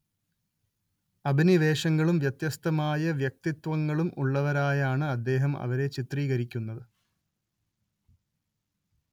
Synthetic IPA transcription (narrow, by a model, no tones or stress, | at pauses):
ɐbʱiniʋe̞ːʂɐŋːɐɭumʋjɐt̪jɐst̪ɐmaːjɐʋjɐk̚t̪it̪ʋɐŋːɐɭumʔuɭːɐʋɐɾaːjaːɳɨɐd̪ːe̞ːɦɐmɐ̰ʋɐɾe̞t͡ɕit̪riːɣɐɾikʲːunːɐðɨ